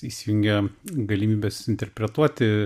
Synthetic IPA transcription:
isʲijʊŋʲɡʲɛɡɐlʲimʲiːbʲɛːsɪnʲt̪ʲɛɾʲpʲɾʲɛt̪uɔt̪ʲɪ

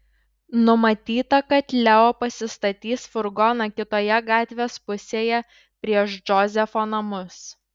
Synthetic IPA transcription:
nʊmɐt̪ʲiːt̪ɐkɐt̪lʲɛoːpɐsʲɪst̪ɐt̪ʲiːsfʊɾɡɔːnɐkʲɪt̪oːjɛɡɑːt̪ʲʋʲeːspʊsʲeːjɛ | pʲɾʲiɛʃd͡ʒɔzʲɛfoːnɐmʊs

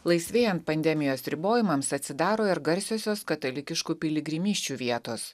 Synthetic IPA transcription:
lˠɐɪsʲʋʲeːjɛnt̪̚pɐnʲd̪ʲɛmʲɪjoːsɾʲɪboːjɪmɐmsɐt̪ʲsʲɪd̪ɑːɾoːɪɾɡɐɾʲsʲoːsʲoːskɐt̪ɐlʲɪkʲɪʃkuːpʲɪlʲɪɡɾʲɪmʲiːʃʲt͡ʃʲuːʋʲiɛt̪oːs

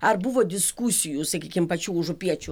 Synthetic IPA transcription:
ɐrbuʋod̪ʲɪskusʲɪjʊsɐkʲikʲɪmpɐt͡ʃʲuuʒʊpʲiɛt͡ʃʲu

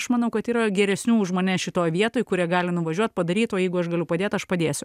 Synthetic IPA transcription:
ɐʃmɐnɐʊkɐt̪iːɾɐɡʲɛɾʲɛsʲnʲuːʒmoːnʲɛːʃʲɪt̪oːjʋʲiɛt̪oːjkʊɾʲiɛɡɑːlʲɪnʊʋɐʒʲuɔt̪̚ʲpɐd̪ɐɾʲiːt̪oːjɛɪɡʊɐʃɡɐlʲʊpɐd̪ʲeːt̪ɐʃpɐd̪ʲeːsʲʊ

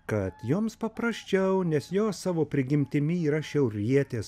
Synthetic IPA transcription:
kɐt̪juːmspɐpɾɐsʲt͡ʃʲɛʊnʲɛsjoːssɑːʋoːpʲɾʲɪɡʲɪmʲt̪ʲɪmʲɪiːɾɐʃʲɛʊɾʲiɛt̪ʲeːs

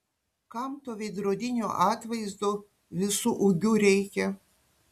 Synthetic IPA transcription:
kɑmt̪oːʋʲɛɪd̪ɾoːd̪ʲɪnʲo̰ːʔɑːt̪ʋɐɪzd̪oː | ʋʲɪsuʔʊɡʲuːɾʲɛɪkʲɛ

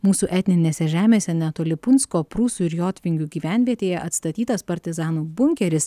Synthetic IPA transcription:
muːsuʔɛt̪ʲnʲɪnʲeːsʲɛʒʲæːmʲeːsʲɛnʲɛt̪oːlʲɪpʊnʲskoːpɾuːsuɪɾjoːt̪ʲʋʲɪŋʲɡʲuːɡʲiːʋʲæˑnʲʋʲiɛt̪ʲeːjɛʔɐt̪st̪ɐt̪ʲiːt̪ɐspɐɾʲt̪ʲɪzɑːnuːbʊŋʲkʲɛɾʲɪs

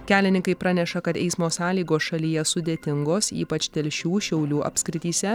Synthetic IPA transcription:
kʲæːlʲɪnʲɪ̃ŋkɐɪpɾɑnʲɛʃɐkɐt̪ɛ̰ɪsmoːsɑːlʲiːɡoːsʃɐlʲiːjɛsʊd̪ʲeːt̪ʲɪŋɡoːsḭːpɐt͡ʃʲt̪ʲɛlʲʃʲuːʃʲɛʊlʲuːʔɐ̰pʲskɾʲɪt̪ʲiːsʲɛ

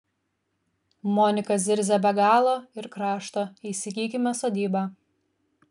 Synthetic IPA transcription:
moːnʲɪkɐzʲɪɾʲzʲɛbʲɛɡɑːlˠoːɪɾkɾɑːʃt̪oːiːsʲɪkʲiːkʲɪmʲɛsoːd̪ʲiːbɑː

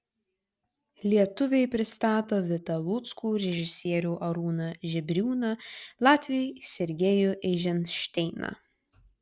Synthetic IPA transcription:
lʲiɛt̪ʊʋʲɛɪpʲɾʲɪst̪ɑːt̪oːʋʲɪt̪ɐlˠʊt̪skuːɾʲɛʒʲɪsʲiɛɾʲuːʔɐɾuːnɐʒʲɛbʲɾʲuːnɐlˠɑːt̪ʲʋʲɪjɛɪsʲɛɾʲɡʲɛjʊʔɛʒʲɛnʃʲt̪ʲɛɪnɐ̰

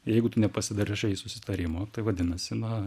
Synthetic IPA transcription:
jɛɪɡʊt̪ʊnʲɛpɐsʲɪd̪ɐɾʲɪʃɐsʊsʲɪ̥t̪ɐɾʲɪmoːt̪ɐɪʋɐd̪ʲɪnɐsʲɪnɐ

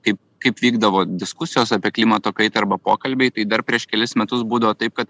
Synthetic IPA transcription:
kɐɪp̚ | kɐɪpʋʲiːɡd̪ɐʋoːd̪ʲɪskʊsʲɪjoːsɐːpʲiɛklʲiːmɐt̪oːkɐɪt̪ɐɐɾbɐpoːkɐlʲbʲɛɪt̪ɐɪd̪ɐɾpʲɾʲiɛʃkʲɛlʲɪsmʲɛt̪ʊsbuːd̪ɐʋoːt̪ɐɪp̚kɐt̪

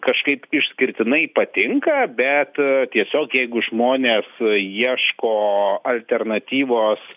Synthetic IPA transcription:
kɐʃkɐɪpɪʃsʲkʲɪɾʲt̪ʲɪnɐɪpɐt̪ʲɪŋkɐbʲɛt̪t̪ʲiɛsʲoːkjɛɪɡʊʒmoːnʲeːsiɛʃkoːɐlʲt̪ʲɛrnɐt̪ʲiːʋoːs

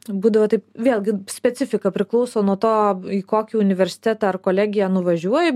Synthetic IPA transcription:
buːd̪ɐʋoːt̪ɐɪpʋʲeːlʲˠɡʲɪsʲpʲɛt̪t͡s̪ʲɪfʲɪkɐpʲɾʲɪklˠɔʊsoːnuɔt̪oːiːkoːkʲiːʊnʲɪʋʲɛɾʲsʲɪ̥t̪ʲæːt̪ɑɐrkoːlʲæːɡʲɪjænʊʋɐʒʲuɔjɛ

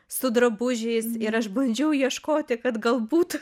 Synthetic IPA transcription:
sʊd̪ɾɐbʊʒʲɛɪsɪɾɐʃbɐnʲd͡ʒʲɛʊjiɛʃkoːt̪ʲɪkɐt̪ɡɐlˠbuːt̪

